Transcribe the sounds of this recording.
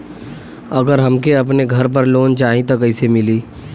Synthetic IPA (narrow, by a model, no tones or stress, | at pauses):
ɐɡəɾɦɐmkeɐpneɡʱɐɾp̬ɐɾloːnt͡ʃaːɦĩt̪okɐɪsemɪliː